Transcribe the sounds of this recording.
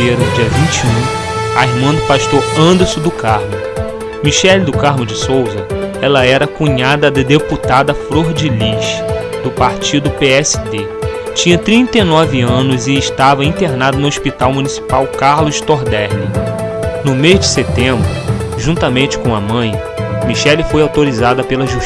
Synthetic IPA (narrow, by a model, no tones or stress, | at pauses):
eɾɐd͡ʒiɐvĩt͡ʃiũaiɾmɐ̃d̪ʊpaʃt̪oɾɐ̃nd̪esʊd̪ʊkaɾmʊ | miʃɛld̪ʊkaɾmʊd͡ʒɪsowzɐɛlɐɛɾɐkũɲad̪ɐd̪ɐd̪eput̪ad̪ɐfɾoɾd͡ʒiliʃ | d̪ʊpaɾt͡ʃid̪ʊpeɛsɪ̥d̪e | t͡ʃĩɲɐt̪ɾĩnt̪ɐinɔvɪɐ̃nʊzɪːʃt̪avɐĩt̪eɾnad̪ʊnʊospit̪awmunisi̥pawkaɾlʊʃt̪oɾd̪ɛɾli | nʊmezd͡ʒɪset̪ẽmbɾʊʒũnt̪ɐmẽnt͡ʃɪ̥kõɐmɐ̃j̃ | miʃɛlɪfojawt̪oɾizad̪ɐpelɐʒu